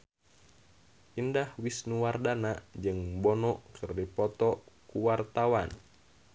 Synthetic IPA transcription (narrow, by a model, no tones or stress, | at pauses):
ʔindahwisnuwardanad͡ʒɨŋbɔnɔʔkɨrdipɔt̪ɔkuwart̪awan